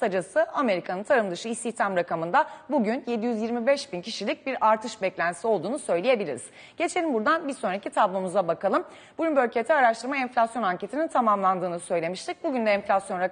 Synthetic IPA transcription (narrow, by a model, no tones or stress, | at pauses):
sad͡ʒasɯame̞ɾikʰanɯnt̪ʰaɾɯmd̪ɯʃɯist̪içt̪ʰamɾakamɯnd̪abuɟynje̞d̪ijyzjiɾmibɛʃbincʰiʃilʲic̚biɾaɾt̪ʰɯʃbɛclʲænsio̞lˠd̪uːnusø̞jlʲeje̞bilʲiɾiz̥ | ɟ̥e̞t͡ʃʰe̞lʲimbuɾd̪anbiso̞nɾacʰit̪ʰablˠomuzabakʰalˠɯm | bulynbøɾʲcʰet̪ʰɛaɾaʃt̪ʰɯɾmaɛnfʲlʲasjo̞naɲcʰe̞t̪ʰinint̪ʰamamlˠand̪ɯːnɯsø̞jlʲe̞miʃt̪ic̚buɟynd̪ɛɛnflʲasjo̞nɾa